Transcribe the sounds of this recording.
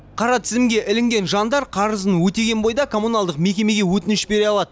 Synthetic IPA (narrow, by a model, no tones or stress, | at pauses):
qʰɑɾɑt̪ʰɪzɪmɡʲe̞ʔɪlɪŋɡʲe̞nʒɑnd̪ɑɾqʰɑɾəzənwɵt̪eɡʲe̞nbo̞jd̪ɑkʰo̞mːunɑlˠd̪əqme̞kʲe̞me̞ɡʲe̞wɵt̪ɪnɪʃbe̞ɾeɑlˠɑd̪ə